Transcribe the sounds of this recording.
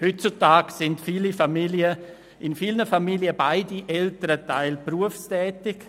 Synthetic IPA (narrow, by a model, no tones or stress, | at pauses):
hʏt̚t͡sutaːɡsɪndfiːlifamiljə | ʔɪnfiːlnəfamiljəbaɪdiʔɛltəɾətaɪlpruəfstɛːtɪk